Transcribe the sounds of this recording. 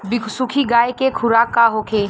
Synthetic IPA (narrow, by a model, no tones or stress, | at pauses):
bɪkʰsʊkʰiɡaːekekʰʊɾaːkːaɦokʰeː